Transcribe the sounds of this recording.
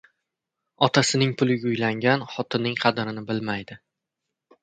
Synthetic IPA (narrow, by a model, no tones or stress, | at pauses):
ɒt̪ʰasɪnɪŋpʰʊlˠɪɡʲaʊjlaŋɡʲanχɒt̪ʰɪnːɪŋqʰɑd̪ɾɪnɪbɪlmajd̪ɪ